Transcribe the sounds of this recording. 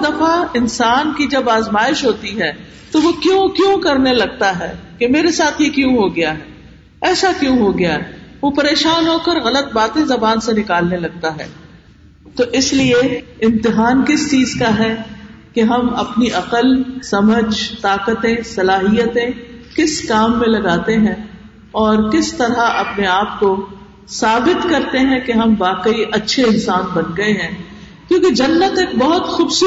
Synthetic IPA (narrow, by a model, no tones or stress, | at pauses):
d̪ɐfaɪnsaːnkid͡ʒɐbaːzmaːɪʃɦoːt̪iɦɛː | t̪oʋokjũkjũːkɐɾnelɐɡ̚t̪aɦɛːkemeːɾesaːt̪ʰjekjũɦoɡɐjaɦɛː | ɛːsakjũɦoɡɐjaɦɛʋopɐɾeːʃaːnɦoːkəɾɣɐlət̪̚baːt̪ẽzɐbaːnsenɪkaːlnelɐɡ̚t̪aɦɛ̰ː | t̪oʔɪslieɪ̃mt̪ɪɦaːnkɪst͡ʃiːzkaɦɛː | keɦɐmɐpniʔɐqəlsɐməd͡ʒt̪aːqət̪ẽsɐlaːɦijət̪ẽkɪskaːmːẽlɐɡaːt̪eɦɛ̃ | ɔːɾkɪst̪ɐɾaʔɐpneaːp̚ko | saːbɪt̪kɐɾt̪eɦɛ̃keɦɐmbaːqəiʔɐtːʃʰeɪ̃nsaːnbɐnɡɐeɦɛ̃ː | kjõːked͡ʒɐnːət̪eːk̚bɔɦʊt̪xʊbsː